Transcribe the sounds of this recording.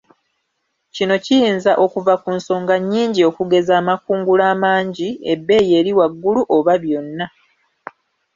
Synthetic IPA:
cino̞cijiːnzaʔo̞kuvakunso̞ːŋɡaɲːiːɲɟio̞kuɡe̞zaːmakuːŋɡulaːmaːɲɟiebːe̞ːje̞ːɾiwaɡːuluʔo̞βaβjo̞nːa

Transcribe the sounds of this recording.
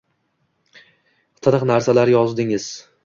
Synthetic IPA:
t̪ʰɨnɨqnaɾsalaɾjɒzd̪ɪŋɪz̥

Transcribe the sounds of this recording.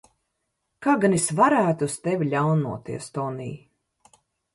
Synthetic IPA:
kaːɡanisvaɾæːt̪uust̪evʲilʲawnṵɔt̪ḭɛst̪ɔnḭː

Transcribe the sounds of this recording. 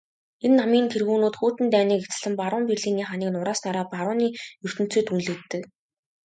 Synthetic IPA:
enːamiːnt̪ʰerɣuːnuːt̪xuːt̪ɘ̆nt̪æːniːket͡s̆ɮɘ̆mpaɾʊːmperɮiːniːχaniːknʊɾaːsnaɾaːpaɾʊːniːjɵr̥t̪ɘ̆n̥t͡sĕːt̪unɮĕt̪ːɘ̆k

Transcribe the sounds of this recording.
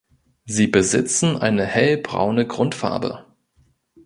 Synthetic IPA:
ziːbəzɪt͡sn̩ʔa̰ɪnəhɛlbʁa̰ʊnəɡʁʊntfa̰ɐbə̰

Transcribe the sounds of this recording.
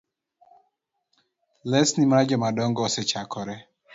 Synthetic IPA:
lɛsnimɾad͡ʒɔmadɔŋɡɔsɛt͡ʃakɔɾɛ

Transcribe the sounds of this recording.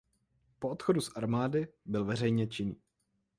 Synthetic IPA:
poʔot̪xodusʔaɾmaːdɪbɪlvɛr̝ɛjɲɛt͡ʃɪniː

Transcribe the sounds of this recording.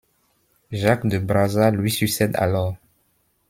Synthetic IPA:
ʒakd̪əbʁazalɥisyksɛd̪a̰lɔʁ

